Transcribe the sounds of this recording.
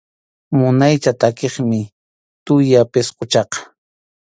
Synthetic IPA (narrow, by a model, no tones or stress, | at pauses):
mʊnajt͡ʃat̪akeχmɪ | t̪ʊjapesqot͡ʃɑqɑ̥